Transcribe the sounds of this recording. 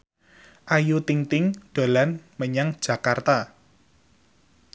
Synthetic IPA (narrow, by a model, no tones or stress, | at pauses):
ʔajut̪iŋt̪ɪŋɖ̪̥o̤lanməɲaŋd̥d͡ʒ̥ä̤kart̪a